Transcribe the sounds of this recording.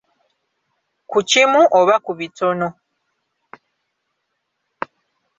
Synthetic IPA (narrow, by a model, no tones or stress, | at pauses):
kucimuʔoβakuβito̞no̞